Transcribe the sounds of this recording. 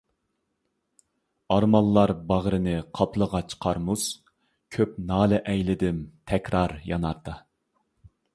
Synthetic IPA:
ɑɾmɑlˠːɑɾbɑʁɾɨnɪqʰɑplˠəʁɑt͡ʃʰqʰɑɾmus | kʲʰøp̚nɑːlɛʔɛjlɪd̪ɪmt̪ʰɛkʲɾɑɾjɑnɑɾt̪ɑ

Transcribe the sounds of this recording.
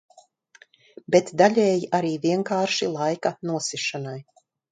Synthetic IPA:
bet̪d̪aʎʲɛːjiʔaɾiːvʲiɛŋkaːɾʃilˠajkanuɔsiʃanaj

